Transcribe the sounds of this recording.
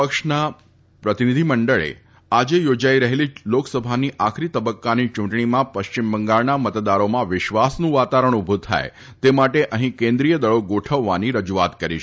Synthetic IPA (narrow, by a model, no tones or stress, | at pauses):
pəkʃna | pɾət̪inid̪ʱiməɳɖəɭḛ | ad͡ʒejod͡ʒaiɾəɦeliloksəbʱaniʔakʰɾit̪əbəkːanit͡ʃũɳʈɳimãpəʃt͡ʃimbəŋɡaɭnamət̪d̪aɾomãʋɪʃʋasnũʋat̪aɾəɳ̃ubʱut̪ʰa̰e | t̪emaʈeʔəɦĩkẽnd̪ɾijəd̪əɭoɡoʈʰəʋːaniɾəd͡ʒuat̪kəɾiʃ